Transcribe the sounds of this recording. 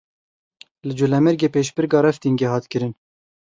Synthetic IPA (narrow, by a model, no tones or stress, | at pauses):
lɨd͡ʒulɛmɨɾɡeːpeːʃbɨɾɡɑːɾɛft̪iŋɡeɦɑːt̪kɨɾɨn